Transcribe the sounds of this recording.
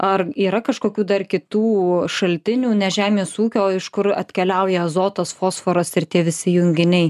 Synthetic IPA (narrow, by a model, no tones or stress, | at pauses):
ɐriːɾɐkɐʃkoːkʲuːd̪ɐrkʲɪt̪uːʃɐlʲt̪ʲɪnʲuːnʲɛʒʲæːmʲeːsuːkʲoːɪʃkʊɾɐ̰t̪ʲkʲɛlʲɛʊjɛzoːt̪ɐsfoːsfoːɾɐsɪɾt̪ʲiɛʋʲɪsʲɪjʊŋʲɡʲɪnʲɛɪ